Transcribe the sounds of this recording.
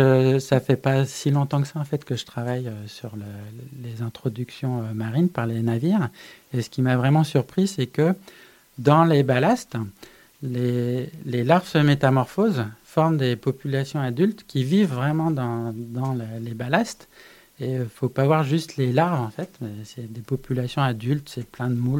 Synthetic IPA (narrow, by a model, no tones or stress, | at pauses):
əsafɛpasilɔ̃t̪ɑ̃kəsaɑ̃fɛt̪kəʒə̥t̪χavajøsyʁlelezɛ̃t̪χɔd̪yksjɔ̃ømaʁinpaʁlenaviːʁesə̥kʲimavʁɛmɑ̃syʁpχisɛkə | d̪ɑ̃lebalast̪ | lelelaʁvsəmet̪amɔʁfozfɔʁmd̪epɔpylasjɔ̃ad̪ylt̪kʲivivːʁɛmɑ̃d̪ɑ̃d̪ɑ̃ləlebalast̪ | efopavwaʁʒyst̪lelaʁvɑ̃fɛt̪mɛsɛd̪epɔpylasjɔ̃ad̪ylt̪sɛplɛ̃d̪əmul